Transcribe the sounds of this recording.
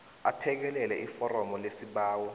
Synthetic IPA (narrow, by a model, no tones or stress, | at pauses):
apʰɛk̬ɛlɛlɛʔifɔrɔmɔlesiɓaːwɔ